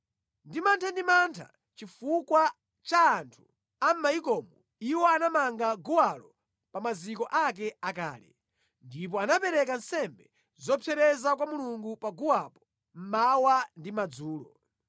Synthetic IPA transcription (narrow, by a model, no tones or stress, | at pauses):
ndimantʰandimantʰa̰ | t͡ʃifukwa | t͡ʃaːntʰu̥ | am̩maikɔːmɔ | iwɔanamaŋɡaɡuwalɔ | pamazikɔʔak̬ɛaka̰ːlɛ̰ | ndip̬ɔanapɛɾɛk̬an̩sɛmbɛ | zɔpʰɛɾɛzakwamuluŋɡupaɡuwapɔ̥ | m̩mawandimad͡zuːlɔ